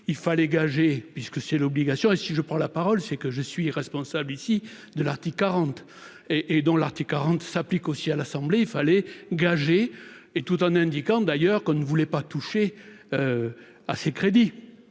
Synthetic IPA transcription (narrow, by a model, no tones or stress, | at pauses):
ilfalɛɡaʒepɥiskəsɛlɔbliɡasjɔ̃esiʒəpχɑ̃lapaʁɔlsɛkəʒəsɥiʁɛspɔ̃sablisi | d̪əlaʁt̪ikːaʁɑ̃t̪ | eʔːd̪ɔ̃laʁt̪ikːaʁɑ̃t̪saplikosialasɑ̃bleilfalɛɡaʒe | et̪ut̪ɑ̃nɛ̃d̪ikɑ̃d̪ajœʁkɔ̃nəvulɛpat̪uʃe | ø | asekχed̪i